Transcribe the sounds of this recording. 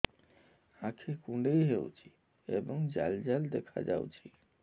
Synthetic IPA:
ãkʰekũɳɖejɦewt͡ʃʰi̥ | eboŋd͡ʒa̰ld͡ʒald̪ekʰa̰d͡ʒa̰w̰t͡ʃʰi

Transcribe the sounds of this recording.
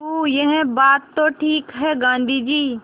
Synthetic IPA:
ujɛɦɛ̃baːt̪ːoʈʰiːkɦɛɡãːnd̪ʱid͡ʒiː

